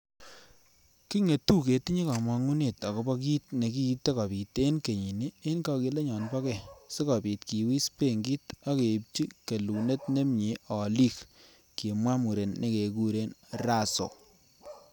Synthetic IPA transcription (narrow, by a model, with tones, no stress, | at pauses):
ki˦ŋe˨tu˦ke˨ti˦ɲi˦ka˨mɔ˨˧ŋu˦ne˨ta˨kɔ˨˦bɔ˦ki˦tne˨ki˦te˦kɔ˨pi˨te˦nke˨ɲi˨ni˦e˦nkɔ˧ki˧le˦ɲɔ˨nbɔ˦kɛ˦˨se˦kɔ˨pi˨tki˨wi˦spe˦˨ŋɡi˦ta˦ke˨p̚t͡ʃi˦ke˨lu˨ne˦tne˦mɲi˨˦ɔ˨li˦k | ki˨mwa˦mu˨ɾe˨nːe˦ke˨ku˦ɾe˦nɾa˦so̰˨